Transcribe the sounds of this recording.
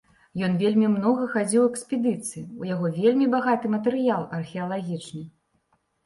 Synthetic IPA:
jɔnvʲelʲmʲimnɔɣɐxad͡zʲiwɛksʲpʲɛd̪ɨt̪sɨjiujaɣɔvʲelʲmʲibaɣat̪ɨmɐt̪ɛɾɨjalˠɐrxʲɛɐlˠaɣʲit͡ʂnɨ

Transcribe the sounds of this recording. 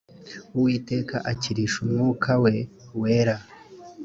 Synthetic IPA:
uwiːte̞ːkaʔaciɾiʃumŋukʰawe̞we̞ːɾa

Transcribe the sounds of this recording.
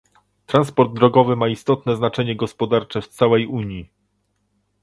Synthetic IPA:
t̪ɾanspɔɾd̪̚ːɾɔɡɔvɘmaist̪ɔt̪nɛznat͡ʂɛɲɛɡɔspɔd̪aɾt͡ʂɛft̪sawɛjuɲji

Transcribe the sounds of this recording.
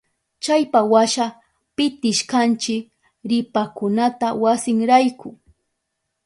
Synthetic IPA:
t͡ʃajpawaʃa | pɪt̪ɪʃkant͡ʃɪk | ɾɪpakʊnat̪awasɪŋɾajkʰʊ

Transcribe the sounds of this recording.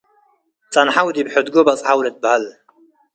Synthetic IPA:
t͡sʼanħawd̪ibħʊd̪ɡobɐt͡sʼʕawlət̪̚bəhal

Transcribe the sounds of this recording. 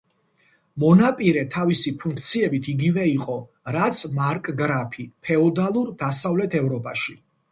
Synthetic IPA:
mɔnapʼiɾɛt̪ʰavisipʰuŋkʰt̪sʰiɛbit̪ʰiɡivɛiqʼɔ | ɾat̪sʰmaɾkʼɡɾapʰipʰɛɔd̪alˠuɾd̪asavlɛt̪ʰɛvɾɔpʼaʃi

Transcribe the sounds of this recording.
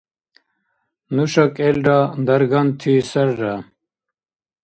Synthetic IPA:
nuɕɐkelɖand̪ɐɾɡɐnt̪ʰisɐɾɖa

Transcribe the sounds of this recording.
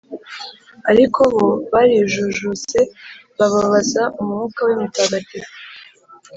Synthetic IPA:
aɾikoβo̞βaɾiʒuʒut͡se̞βaβaβazaʔumuŋuːkawimitaɡati

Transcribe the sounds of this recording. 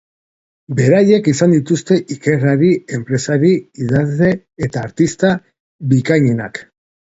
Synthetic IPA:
be̞ɾaje̞kisand̪it̪ust̪e̞ʔike̞raɾie̞mpɾe̞saɾiiðazle̞ | et̪aːɾt̪ist̪a | βikaɲena̰k

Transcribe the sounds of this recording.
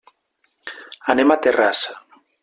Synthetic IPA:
anemat̪erasḁ

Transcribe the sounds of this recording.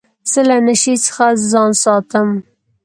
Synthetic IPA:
z̥əlanəʃisə̥xazɑnsɑt̪əm

